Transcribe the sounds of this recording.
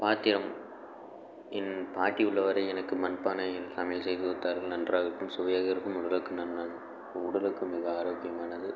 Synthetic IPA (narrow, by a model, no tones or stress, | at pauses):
paːt̪ːɪɾɐm | ɪnːpaːʈːiʊɭːɐʋɐɾɐɪɛnɐkːɯmɐnɯpːaːnɐɪnt̪ɐmɪjlsɛjðɯɯt̪ːaːɾɣɐɭnɐndraːɣɪɾɯkːɯmsʊʋɐjaːɣɐɪɾɯkːɯmʊɽɐlɯkːɯnɐnnɐðɯ | ʊɽɐlɯkːɯmɪɣɐaːɾoːkɪjɐmaːnɐðɯ